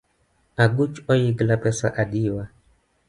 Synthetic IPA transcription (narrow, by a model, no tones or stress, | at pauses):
aɡut͡ʃɔjiɡlapɛsa̰ʔadiwa